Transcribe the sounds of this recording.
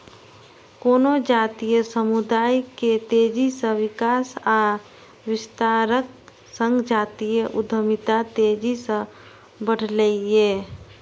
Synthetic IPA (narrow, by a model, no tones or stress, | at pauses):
koːnod͡ʒaːt̪ijəsəmud̪aːjket̪eːd͡ʒisə̃wɪkaːsaː | wɪst̪aːɾək̚ | sə̃ŋɡd͡ʒaːt̪ijəʔʊd̪ʱəmɪt̪at̪eːd͡ʒisə̃ | bəɽ̤ləieː